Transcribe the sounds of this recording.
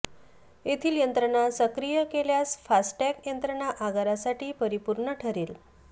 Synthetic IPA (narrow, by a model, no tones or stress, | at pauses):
et̪ʰiːljənt̪ɾəɳasəkɾijəkeljasfasʈʈɛkjənt̪ɾəɳaʔaɡaɾasaʈiːpəɾipuɾɳəʈʰəɾiːl